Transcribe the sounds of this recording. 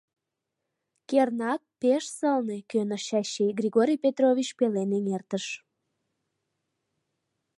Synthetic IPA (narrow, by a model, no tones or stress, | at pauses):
kernɑk̚peʃsəlnekønəʃɑɕeɡrʲiɣoɾʲijpʲet̪roβʲit͡ɕpeleneŋert̪əʃ